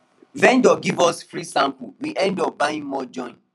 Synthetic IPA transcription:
vɛ̃ndɔɡivɔsfɹisãmpuwiʔɛ̃ndɔp̚baĩŋmɔd͡ʒɔ̃ɪ̃n

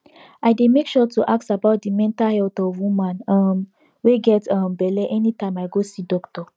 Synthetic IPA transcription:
aɪdemekʃɔtuʔak̚tabaʊt̚dimɛ̃ntahɛltɔvwũmãnɔm | weɡɛtʌmbɛlɛʔɛnitãɪ̃maɪɡosidɔktɔ

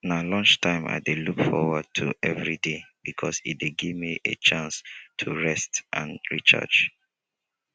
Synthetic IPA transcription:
nalɔ̃nt͡ʃtʰãɪ̃ma̰ɪdelukfɔ̰wəd̚tʰṵʔɛvɹideb̥ikʰɔsḭt̚deɡivmiʔḛt͡ʃʰãnstʰuɹɛstʔã̰nɹit͡ʃa̰t͡ʃ

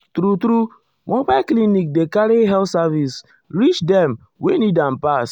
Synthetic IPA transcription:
tɾutɾu | mɔ̃baɪklinik̚dekaɾiɦɛlsavis | ɾit͡ʃdɛm | wenidãnpas

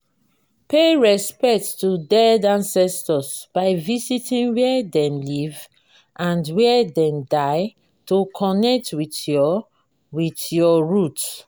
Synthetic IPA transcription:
peɹɛspɛk̚tːudɛdãnsɛstɔsb̥aɪvisitĩnwɛdɛ̃mliv | ʔãndwɛdɛ̃mdaɪ | tokʰɔnɛk̚twitjɔ | witjɔɹut

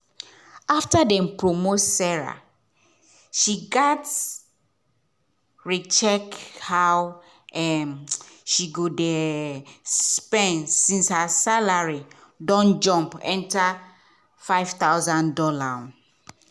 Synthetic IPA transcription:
aftadɛ̃mpɹomotsɛɹa̰ | ʃiɡat | ɹit͡ʃɛkhaw | ɛmʃiɡodɛ | sspɛ̃nsĩnshasalaɹidɔ̃nd͡ʒɔ̃mpɛ̰̃nta | faɪv̥t̪awzãndɔlã

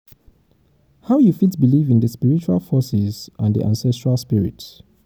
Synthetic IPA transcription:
haʊjufitbilivĩnðəspiɹit͡ʃua̰lˠfɔsɪzʔãnðḭʔã̰nsɛstɹalˠspiɹḭt

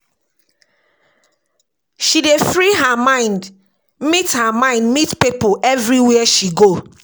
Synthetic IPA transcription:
ʃidefɹiɦamãɪ̃nd | mithamãɪ̃ndmitpipoʔɛvɹiwiɛʃiɡo

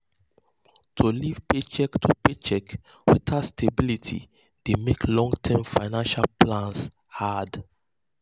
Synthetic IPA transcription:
tʰuliv̥pet͡ʃɛktʰupet͡ʃɛk | wɛtʰastʰebilitʰḭ | d̥emeklɔ̃ŋɡtʰɛmfaɪnãnʃalplãns | had

